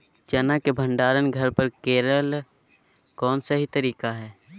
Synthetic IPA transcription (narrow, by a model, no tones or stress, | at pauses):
d͡ʒɐnakebʱə̃ɳɖaːɾənɡʱəɾpəɾkeːɾəl | kɔːnsaɦit̪əɾiːkaɦɛː